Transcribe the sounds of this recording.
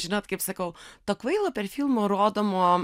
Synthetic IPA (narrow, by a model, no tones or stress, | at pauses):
ʒʲɪnoːt̪kɐɪpsɐkɐʊt̪oːkʋɐɪlˠɐpʲɛɾfʲilˠmoːɾoːd̪oːmoː